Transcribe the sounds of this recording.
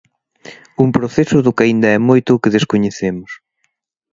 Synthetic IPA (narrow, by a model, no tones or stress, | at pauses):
umpɾoθesʊðʊkaind̪ɐɛmojt̪ʊːkɪðeskoɲeθemʊs